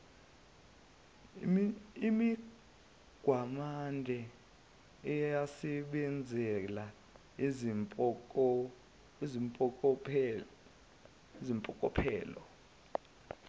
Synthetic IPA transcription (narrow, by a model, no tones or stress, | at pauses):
imi | ɡ̥ʱwamandʱɛ | ɛjjasɛɓɛnd͡zʱɛla | impʼɔk | izimpʼɔkʼɔpʰɛ̰ːlɔ